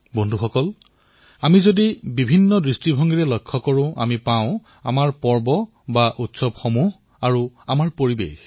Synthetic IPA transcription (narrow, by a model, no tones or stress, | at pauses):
bɔndʱuxɔkɔl | amizodibibʱinːɔdɹistibʱɔŋɡiɹɛlɔjkʰːɔkɔɹʊ̃ʔa̰mipaʊ̃ | a̰maɹpɔɹbɔ | baʔutsɔbxomuɦ | aɹuamaɹpoɹibḛx